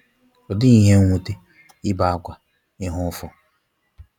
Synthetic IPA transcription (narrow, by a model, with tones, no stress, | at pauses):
ɔ˨dɪ˦i˨ɦe˦ŋʷu˦te˦ | ɪ˦ba˨a˨ɡʷa˨ | ɪ˦ɦʊ˦fɔ˦